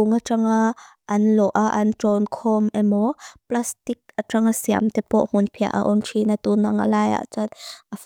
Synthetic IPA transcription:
uŋaʈ͡ʂaŋa | ʔːnlɔʔaʔɐnʈ͡ʂɔnkʰɔmɛmɔplast̪ik̚aʈ͡ʂaŋasia̰mt̪ɛpɔʔm̥unpʰia̰ʔa̰ʔɔnʈ͡ʂʰinat̪unaŋa̰laja̰ʔt͡sat̪ʔa

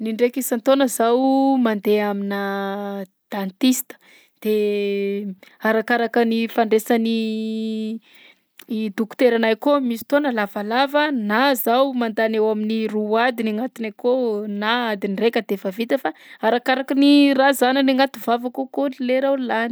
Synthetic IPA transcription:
niɳɖ͡ʐekisant̪onəzawmand̪eamina | d̪̥ant̪ist̪ə̥ | d̪̥e | aɾakaɾakənifaɳɖ͡ʐesani | d̪uku̥t̪eɾanajkomisi̥t̪onəlavalavənazawmand̪anewaminiruad̪inaŋat̪inajkonaad̪inirekʲəd̪efavit̪əfaaɾakaɾakənirazananiŋat̪uvavakokolileɾallani̥

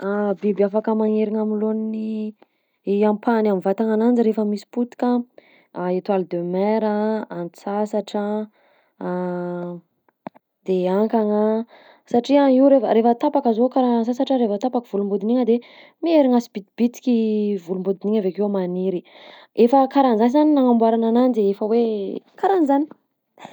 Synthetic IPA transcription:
abibafakəmaŋeɾiŋamilonni | ampʰanamivat̪aŋanand͡ziɾefəmisi̥put̪i̥kʲa | it̪walid̪ømɛɾaant͡sasaʈ͡ʂa | d̪̥eaŋkaŋə | saʈ͡ʂiaiwɾefəɾefət̪apakəzokaɾasasaʈ͡ʂəɾefət̪apakiv̥ulumbud̪iniŋəd̪e | mieɾiŋasib̥it̪̚b̥it̪i̥kʲivulumbud̪iniŋəvekeamaniɾi | efəkaɾanzanizaninaŋambwaɾanananid̪eefəwekaɾanzani̥

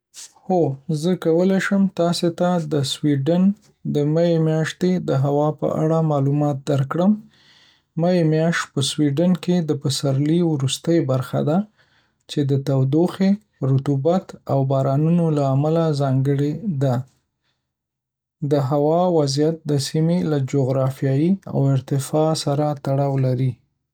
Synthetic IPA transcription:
hozəkawəlajʃəmt̪ɑset̪ad̪əswiɖan | d̪əmajemjɑʃt̪ed̪əɦawɑpə̰ʔa̰ɽamɑlumɑt̪̚d̪aɾkɽəmː | aemjɑʃt̪̚pəswiɖanked̪əpəsaɾliwɾust̪əjbaɾxa̰d̪a | t͡ʃed̪ət̪awd̪oxe | ɾut̪ubat̪awbɑɾɑnunolaːmalazɑŋɡəɽed̪a | d̪əɦawɑwazjat̪̚d̪əsimelad͡ʒoɣɾɑfijɑjia̰wɪɾt̪ɪfɑsaɾat̪aɽɑwlaɾi

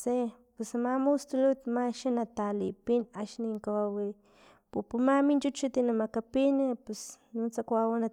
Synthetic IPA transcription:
se | pusamamust̪ulut̪maʃanat̪alipinaʃniŋkawawi | pupumamint͡ʃut͡ʃut̪inamakapinepus | nut͡sakʷawana

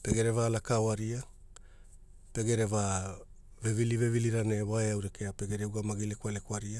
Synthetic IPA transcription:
pe̞ɡe̞ɾe̞valakaoaɾia | pe̞ɡe̞ɾe̞va | vevilive̞viliɾane̞waeawɾe̞ke̞ape̞ɡe̞ɾeuɡamaɡile̞kwale̞kwaɾia

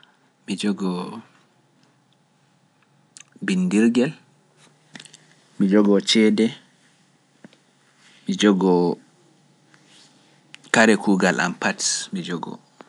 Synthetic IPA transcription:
mid͡ʒɔɡɔ | bindiɾɡɛl | mid͡ʒɔɡɔt͡ʃɛdɛ | mid͡ʒɔɡɔ | kaɾɛkuːɡalʔa̰mpatsmid͡ʒɔɡɔ̰

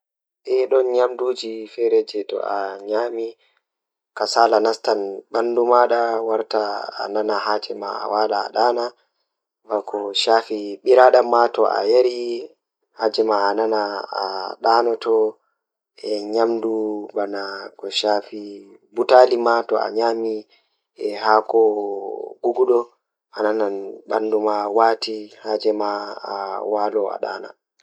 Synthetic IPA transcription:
ʔɛɗɔnɲamduːd͡ʒifɛɾɛd͡ʒɛtɔ̰ʔaɲaːmi | kasalanastanɓandumaɗawaɾtaa̰nanahaːd͡ʒɛma̰a̰waːla̰ːɗaːna | bakɔʃafiɓiɾaɗamːatɔʔa̰jaɾi | haːd͡ʒɛmaːnanaaɗanɔtɔ | ɛɲamdubanakɔʃaːfi | butalimatɔa̰ɲaːmi | ɛhakɔ | ɡ̥uɡuɗɔ | ʔanananɓandumawatihad͡ʒɛmaː | walɔa̰ɗa̰ːna̰

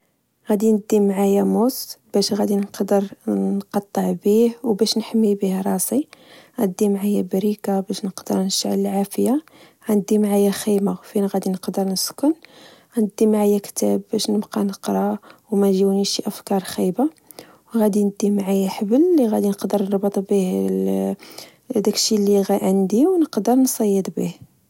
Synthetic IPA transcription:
ɣæd̪inəd̪ːimʕajæmʊsbæʃɣæd̪inqd̪əɾnqɑt̪ˤːəʕbihwbæʃnħəmːibihɾˤɑsˤiɣænəd̪ːimʕajæbɾikabæʃnəqd̪əɾˤnəʃaʕləlʕafəja | ɣænəd̪ːimʕajæxijmafinɣæd̪inəqd̪əɾnəskʊn | ɣænəd̪ːimʕajækt̪æbːæʃnəbqɑnəqɾˤɑwmæʒiwniʃiʔæfkɑɾˤxijba | wɣæd̪inəd̪ːimʕajæħəbəlːiɣæd̪inəqd̪əɾnəɾˤbət̪ˤbih | d̪ækʃiliɣæʕənd̪iwnəqd̪əɾˤnsˤɑjːəd̪ˤbḭh

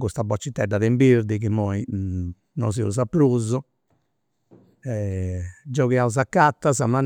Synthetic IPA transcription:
kust̪abɔt͡ʃːit̪ːɛɖːaðɛmbiɾd̪ikimːɔi | nɔziuz̬apːɾuzɔ | ɛ | d͡ʒɔɣɛauzakːat̪ːazaman

